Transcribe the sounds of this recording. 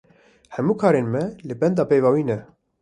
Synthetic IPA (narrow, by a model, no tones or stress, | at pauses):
hɛmuːkʰɑːɾeːnmɛlɨbɛnd̪ɑːpejvɑːwiːnɛ